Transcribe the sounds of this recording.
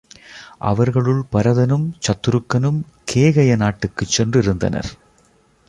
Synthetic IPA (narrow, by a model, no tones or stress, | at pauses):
ʔɐ̰ʋɐɾɣɐɭɯɭpɐɾɐðɐnɯmt͡ʃɐt̪ːɯɾɯkːɐnɯm | kʰeːɣɐjɐnaːʈːɯkːɯt͡ʃːɛndrɪɾɯnd̪ɐ̰nɐ̰ɾ